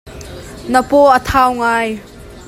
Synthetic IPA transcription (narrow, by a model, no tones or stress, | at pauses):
nəpɔʔət̪ʰaːwŋaːj